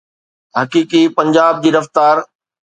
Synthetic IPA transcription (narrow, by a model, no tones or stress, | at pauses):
ɦɐkiːkipɐ̃ɲd͡ʑaːb̚d͡ʑiːɾɐft̪aːɾ